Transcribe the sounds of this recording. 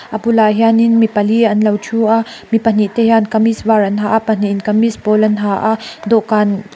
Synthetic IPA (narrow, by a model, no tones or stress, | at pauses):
ʔɐbulaɦjaninmipɐliɐnlɐwt͡ʃʰuʔamipɐn̥iʔt̪ɛjankɐmisvarɐnɦaʔapɐn̥iʔnkɐmispɔlɐnɦaʔaʔd̪ɔʔkan